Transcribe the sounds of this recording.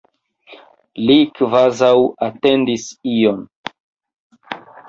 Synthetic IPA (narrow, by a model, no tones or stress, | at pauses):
likvazawatendision